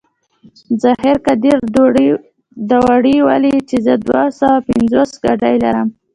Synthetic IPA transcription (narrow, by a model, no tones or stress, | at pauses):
zaheɾkad̪iɾ | d̪awaɽiwalit͡ʃezəd̪wasawapɪnzosɡaɖajlaɾəm